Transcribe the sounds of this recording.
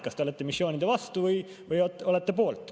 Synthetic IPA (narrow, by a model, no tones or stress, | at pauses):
kɑst̪eolet̪ːˑemisːjo̞ːnʲid̪̥evɑst̪uvɯj | vɯjot̪o̞let̪ːepo̞ːlt̪ːˑ